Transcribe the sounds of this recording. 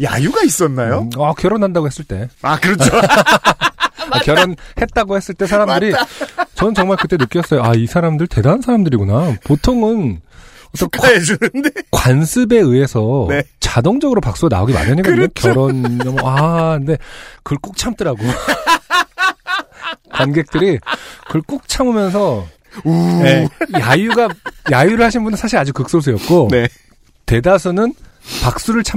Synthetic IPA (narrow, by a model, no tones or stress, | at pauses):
ja̰juɡais͈ʌnːajoakjʌɾʌnɦandaɡohes͈ɯɭt͈e̞akɯɾʌo | akjʌɾʌnhe̞t̚t͈aɡohe̞s͈ɯɭt͈e̞sʰaɾamdɯɾit͡ɕʌnɯnt͡ɕʌŋmaɭkɯt͈e̞nɯk͈jʌs͈ʌjoaisʰaɾamdɯɭte̞dansʰaɾamdɯɾiɡonapotʰoŋɯnʌt͈ʌnndekwansʰɯbe̞ɯe̞sʰʌet͡ɕadoŋd͡ʑʌɡɯɾopak̚s͈uɡana̰oɡima̰ɲaɲik͈aʌkjʌɾʌnɲʌmʌaɯnde̞kɯɭk͈ok̚t͡ɕʰamt͈ɯɾaɡo | kwanɡe̞k̚t͈ɯɾikɯɭk͈ok̚t͡ɕʰamumjʌns̬ʰʌ | ejajuɡajajuɾɯɭhaɕ̬ʰinbundɯɭsʰaɕʰiɾad͡ʑukɯk̚s͈os̬ʰɯjʌt̚k͈one | te̞das̬ʰunɯn | pak̚s͈uɾɯɭt͡ɕʰa